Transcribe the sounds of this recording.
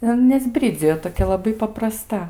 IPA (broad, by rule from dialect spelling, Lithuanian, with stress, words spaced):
ɪr ˈɐn nʲɛˈzʲbʲrʲɪd͡zʲɪjoː toːˈkʲɛ lˠɐˈbɐɪ pɐprɐˈstɐ